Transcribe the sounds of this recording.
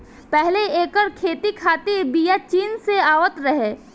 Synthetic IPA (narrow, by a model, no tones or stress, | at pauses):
pɛɦleeːkəɾkʰeːt̪ikʰaːt̪iɾbijat͡ʃiːnseaːwət̪ɾəɦeː